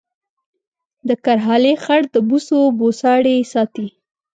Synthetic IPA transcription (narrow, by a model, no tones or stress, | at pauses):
d̪əkaɾɦɑlexaɽd̪əbusobosɑɽesɑt̪i